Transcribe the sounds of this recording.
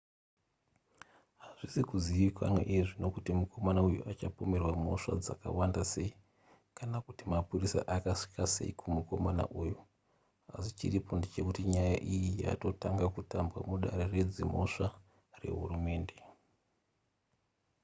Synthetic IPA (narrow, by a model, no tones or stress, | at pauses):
ɦaʐisikuziʋikwa̰na̰ʔiʐino̞kutimuko̞manaujṵʔat͡ʃapo̞me̞rwamo̞̰ʂa̰d͡zaka̰wandase̞i | kanakutimapurisa̰ʔakaʂi̥kase̞̰ikʰumuko̞mana̰ʔuju | asit͡ʃiripo̞ndet͡ʃe̞kutiɲajaʔijija̰to̞taŋɡakutambwamuɗa̰ɾered͡zimo̞ʂa | re̞̰ɦṵrume̞ːnde̞